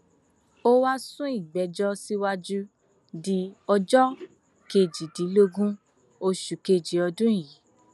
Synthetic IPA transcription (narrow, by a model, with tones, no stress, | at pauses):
o˦wa˦sũ˦i˦˨ɡ͡bɛ˨˦d͡ʒɔ˦si˦wa˦d͡ʒu˦ | di˧ɔ˧d͡ʒɔ˦ | ke˧˨d͡ʒi˨di˨˦lo˦ɡũ˦ | o˧ʃu˨ke˧˨d͡ʒi˨˦ɔ˧dũ˦˨ji˨˦